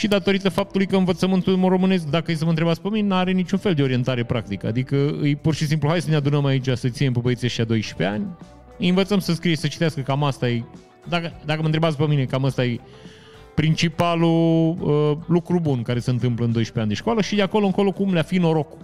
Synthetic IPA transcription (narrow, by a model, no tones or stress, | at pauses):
ʃid̪at̪o̞ɾit̪əfap̚t̪ulujkəɨnvət̪səmɨnt̪umoro̞mɨne̞s̬k̚d̪akəɨjs̬əməɨnt̪ɾebapəminenaɾe̞nit͡ʃunfe̞ld̪eo̞ɾient̪aɾe̞pɾak̚t̪ikəa̰d̪ikəɨ̰jpurʃisimpluhajsənead̪unəmait͡ʃʲasət̪sinempobeit̪sieʃiad̪o̞jʃpea̰nʲ | ɨjɨnvət̪səmsəskɾijesət͡ʃi̥t̪easkəkamast̪aje | d̪akəd̪akəmənt̪ɾebat̪pemine̞kaməst̪aje | pɾint͡ʃipaluəlukɾubunkaɾe̞seɨnt̪ɨmpləɨnd̪o̞jʃpeanʲd̪e̞ʃkoaləʃid̪eako̞lo̞ɨŋko̞lo̞kumleafino̞ɾo̞k